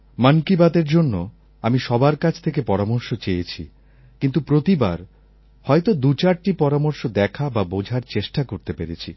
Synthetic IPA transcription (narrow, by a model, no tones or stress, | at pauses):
mankibat̪eɾd͡ʑonːo | amiʃɔbaɾkat͡ɕʰt̪ʰek̬epɔɾamoɾʃot͡ɕejet͡ɕʰi | kint̪upɾot̪iba̰ɾ | hɔjt̪od̪ut͡ɕaɾʈipɔɾamoɾʃod̪ɛkʰababod͡ʑʱaɾt͡ɕeʃʈakoɾt̪epeɾet͡ɕʰḭ